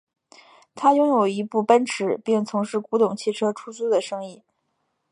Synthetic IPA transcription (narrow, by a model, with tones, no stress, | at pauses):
t̪ʰa˥jʊ˥ŋjo˨˩ʊi˧˥pu˥˩pa˥nʈ͡ʂʰɻ̩˧˥pi˥˩ŋt͡sʰʊ˧˥ŋʂɻ̩˥˩ku˧˥t̪ʊ˨˩ŋt͡ɕʰi˥˩ʈ͡ʂʰɤ˥ʈ͡ʂʰu˥t͡su˥d̪ə˨ʂɤ˥ŋi˥˩